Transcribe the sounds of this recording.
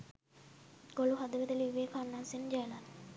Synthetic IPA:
ɡ̥oluɦad̪əʋed̪əliʋːeːkanːaːsend͡ʒɛlan

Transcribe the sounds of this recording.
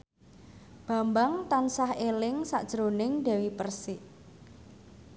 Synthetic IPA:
b̥a̤mbaŋt̪ansahelɪŋsa̰ʔd̥ʒ̥ɾonɪŋɖ̪ɛ̤wipərsɪʔ

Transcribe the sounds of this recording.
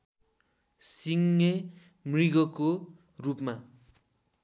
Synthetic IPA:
siŋːe | mriɡʌko | rupma

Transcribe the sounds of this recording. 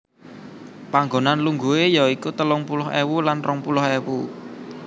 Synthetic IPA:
paŋɡonanluŋɡuejɔikut̪əlʊŋpulɔɦewulanrɔŋpulɔhewu

